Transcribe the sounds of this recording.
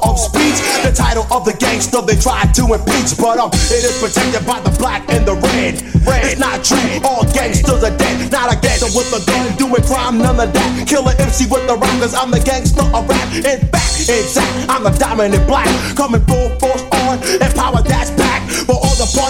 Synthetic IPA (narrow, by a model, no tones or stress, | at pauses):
ʌv̥spit͡ʃðɨtʰaɪɾl̩ˠʌvðɨɡẽɪ̃ŋsðʌðeɪtʰɹ̥aɪd̚tʰɨɪ̃npʰisb̥ʌɾʌɪɾɪz̥pʰɹ̥ɨtʰɛk̚tɨd̚baɪðəblækɪ̃nðəɹɛd | ɨsnəɾtʰɹ̥ʉɔlˠɡɛ̃ɪ̃ŋsd̥ʌzɨdɛnəɾəɡɛ̃əwʌðəɡõduɪ̃ŋkʰɹ̥ãɪ̃mnʌ̃nəðæt̚kʰɪlˠəɾɪ̃msiwɪðəɹɑkəzãɪ̃mðɨɡɛ̃ɪ̃ŋsʌəɹækɪt̚b̥ækɪ̃sæk̚tãɪ̃mðədɑmɨ̃nɨblækkʰʌ̃mɪ̃ŋbo̥oʊθnɨ̃npʰaʊə˞ðætsb̥æk̚b̥ʌɾɔlˠðəfʌ